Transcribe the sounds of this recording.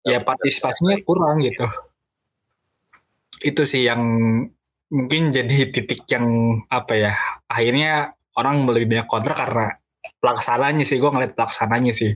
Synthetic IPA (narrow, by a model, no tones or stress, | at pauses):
japart̪isi̥pasɲakuɾaŋɡit̪u | it̪usɪhjaŋ | muŋkɪnd͡ʒadit̪it̪ɪk̚jaŋapajaahirɲa | oɾaŋmələbibaɲakɔnt̪ɾakaɾəna | pəlaksanaɲasɪhɡuaŋəliat̪̚pəlaksanaɲasɪh